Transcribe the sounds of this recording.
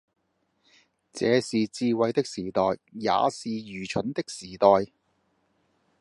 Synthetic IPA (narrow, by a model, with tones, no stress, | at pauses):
t͡sɛː˨˧siː˨t͡siː˧wɐ˨˧jt̪ɪ˥k̚siː˨˩t̪ɔː˨jːa̰ː˨˧siː˨jyː˨˩t͡ʃʰɵ˨˥nt̪ɪ˥k̚siː˨˩t̪ɔː˨j